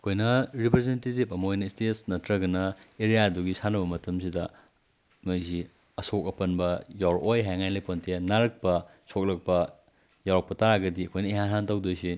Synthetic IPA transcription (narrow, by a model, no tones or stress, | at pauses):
ɐkʰojnɐɾipɾezentetipɐmɐojnɐistetsnɐtɾɐɡɐnɐeɾijaduɡisanɐbɐmɐtʰɐms̬idɐ | mɐjzi | ɐsok̚ɐpɐnbɐjawɾojɦajŋanlɐjpontʰenaɾɐk̚pɐ | sok̚lɐk̚pɐ | jawɾak̚pɐtaɾaɡɐdiɐkʰojnɐiɦanɦantɐwdojsi